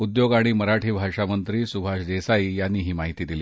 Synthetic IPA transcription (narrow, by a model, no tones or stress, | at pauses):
ud̪joɡaɽ̃iməɾaʈʰiːbʱaʂamənt̪ɾiːsubʱaʂd͡zesaijanːiːɦiːmaɦit̪iːd̪iliː